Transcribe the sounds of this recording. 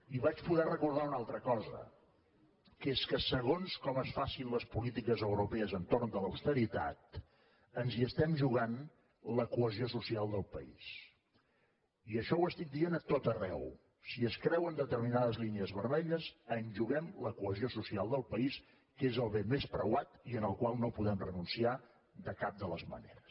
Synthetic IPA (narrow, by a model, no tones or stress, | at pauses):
iβat͡ʃpuðɛrəkuɾðaunalˠt̪ɾəkɔzə̰ | keskəsəɣ̞onskɔməsfasinləspulit̪ikəzəwɾupɛəzənt̪ornd̪ələwst̪əɾit̪a̰t̪̚ | ənziəst̪ɛmʒuɣan | ləkuəziosusialˠd̪əlˠpəḭs | iəʃɔwəst̪ik̚d̪ienət̪ot̪ərɛw | siəskɾɛwənd̪ət̪əɾminaðəzlineəzβəɾmɛʎəzənʒuɣɛmləkuəziosusialˠd̪əlˠpəis | kezəlˠβemespɾə̰wat̪iənəlˠkwalˠnopuðɛmrənunsia | d̪əkap̚d̪ələzmə̰nḛɾəs